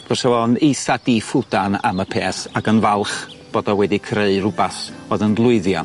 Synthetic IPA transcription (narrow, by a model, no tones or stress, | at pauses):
v̥ɔsɛwɔnejsadifʊd̥ana̰məpʰeːθaɡənvalˠχ | b̥oːdɔwɛdikʰreɨrʊbaθoːðənvlˠʊɨðjan